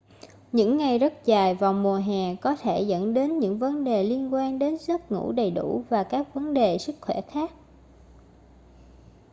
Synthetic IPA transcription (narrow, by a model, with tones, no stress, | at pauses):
ɲɨ̰˧˥ŋːa˨˩jzə˦˥t̚zaː˨˩jva˨˩wŋ͡mmu˨˩əɦɛː˨˩kɔ˨˦t̪ʰe˧˩zə̰˧˥nɗe˨˦nɲɨ̰˧˥ŋvə˨˦nɗe˨˩li˧ənkwaː˧nɗe˨˦nzə˦˥t̚ŋṵ˧˥ɗə˨˩jɗṵ˧˩vaː˨˩kaː˦˥k̚və˨˦nɗe˨˩sɨ˦˥k̚xwɛ˧˩xaː˦˥k̚